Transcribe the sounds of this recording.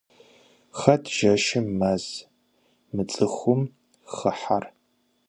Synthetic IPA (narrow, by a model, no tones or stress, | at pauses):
χɐtʰʒ̥ɐʃɐːɐz̥ | mɨt͡sʼɨxʷʊm | χəħar